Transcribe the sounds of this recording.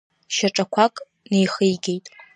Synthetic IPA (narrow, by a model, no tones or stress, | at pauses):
ʃaʈ͡ʂʼakʷʰakʼ | nejχɨjɡʲe̞jtʼ